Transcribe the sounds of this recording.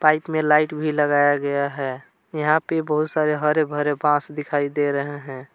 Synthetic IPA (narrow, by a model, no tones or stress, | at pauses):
paɪpmelaɪʈbʱiləɡaːjaɡəjaɦɛ | jəɦãpebəɦut̪saɾeɦəɾebʱəɾebãsd̪ɪkʰaid̪eɾəɦeɦɛ̃